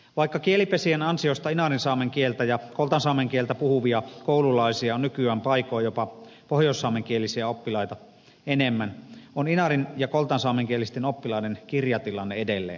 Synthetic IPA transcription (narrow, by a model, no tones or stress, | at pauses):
ʋɑˑikːɑkielipesienɑnsiost̪ɑinɑrinsɑːmeŋkielt̪æjɑkolt̪ɑnsɑːmeŋkielt̪æpuhuʋiɑkoˑululɑisiɑonnykyæːmpɑikojjopɑ | pohjoˑsːɑːmeŋkielisiæopːilɑit̪ɑ | enemːænoninɑrinjɑkolt̪ɑnsɑːmeŋkielist̪enopːilɑˑinenkirjɑt̪ilɑnːeedelːḛːn